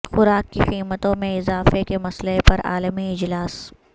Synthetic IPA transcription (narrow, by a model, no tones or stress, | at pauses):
xʊɾaːkːixiːmət̪õmẽɪzaːfekemɐsləɦepɐɾa̰ːləmiɪd͡ʒlaːs